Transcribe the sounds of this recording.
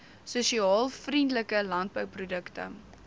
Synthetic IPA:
suʃiɑːlˠfrindləkəlɐnd̚bœwprudəktə̰

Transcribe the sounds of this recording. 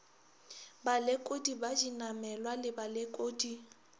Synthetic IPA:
balɪkʼodibad͡ʒinamɛlwalɪbalɪkʼoːdi

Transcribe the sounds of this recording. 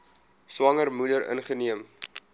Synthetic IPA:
swɐŋərmudəɾə̰nχəniəm

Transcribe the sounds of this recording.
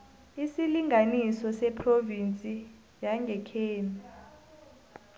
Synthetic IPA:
isiliŋɡʱanisɔsɛpʰrovint͡sʼi | jaŋɡʱɛkʰeːni

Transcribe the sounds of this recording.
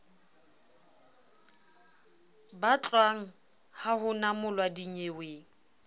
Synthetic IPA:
bat͡ɬʼwaŋ̩ | hahʊnamʊlwadiɲeweːŋ̩

